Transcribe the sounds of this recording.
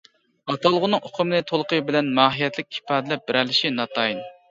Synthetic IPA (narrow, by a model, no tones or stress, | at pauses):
ɑt̪ɑlˠəʁʊnɨŋoqʰʊmnɨt̪ʰolˠqəbɪlɛnmɑːɦijɛt̪lɪk̚ʲi̥pɑːd̪ɪlɛp̚bɪɾɛlɪʃinɑt̪ʰɑjin